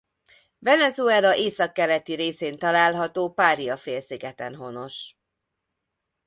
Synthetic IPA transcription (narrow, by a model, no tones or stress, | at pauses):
vɛnɛzuɛlɒʔeːsɒkːɛlɛt̪iɾeːseːnt̪ɒlaːlɦɒt̪oːpaːɾiɒfeːlsiɡɛt̪ɛ̰nɦo̞no̞ʃ